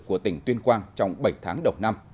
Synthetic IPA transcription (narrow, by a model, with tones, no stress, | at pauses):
ku˧˩ət̪ï˧˩ŋ̟t̪wi˧ənkwaː˧nt͡ɕɔ˧wŋ͡mɓə˧˩jt̪ʰa̰ː˨˦ŋɗə˨˩wna˧m